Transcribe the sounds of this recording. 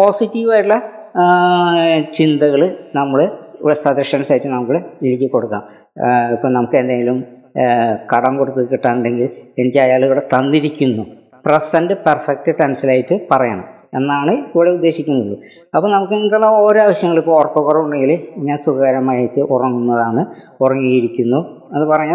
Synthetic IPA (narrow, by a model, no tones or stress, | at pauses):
po̞ːsitːiʋaːjtuɭːɐ | t͡ɕind̪ɐɣɐɭnɐmːɐɭɨ̰sɐdɐʂɐnsaːjitːɨnɐmukːɐɭɨilikʲːikːo̞ɽukːa̰ːm | ipːonɐmukːɨe̞nd̪aːŋɡilum | kɐɽɐmko̞ɽukːɨkiʈːaːnɨɳɖe̞ŋɡile̞nik̬ʲːɨɐjaːɭuɣɐɽet̪ɐnːiɾikʲːunːu | presɐndɨpɐrfek̚tɨʈɐnsilaːjitːɨpɐrɐja̰ɳɐ̰m | e̞̰nːaːɳɨiʋoɽeud̪ːe̞ːɕikʲːunːɐðɨ | ɐpːoːnɐmuk̬ːɨeŋːɐuɭːɐo̞ːɾaːʋɐɕjɐŋːɐɭipːoːorɐkːokːoruɳɖe̞ŋɡilɲaːnsukaɐɾɐmaːjajitːɨʔɔrɐŋːunːɐðaːɳɨ | ɔrɐŋːijiɾikʲːunːu | ɐðɨpɐrɐɲːaː